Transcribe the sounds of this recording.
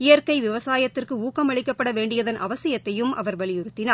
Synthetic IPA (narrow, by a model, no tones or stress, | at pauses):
ɪjɐɾkɐɪʋɪʋɐsaːjɐt̪ːɪrkɯuːkːɐmɐɭɪkːɐpːɐɽɐʋeːɳɖɪjɐðɐnʔɐ̰ʋɐsɪjɐt̪ːɐjɯmʔɐ̰ʋɐɾʋɐɭɪjʊɾɯt̪ːɪnaː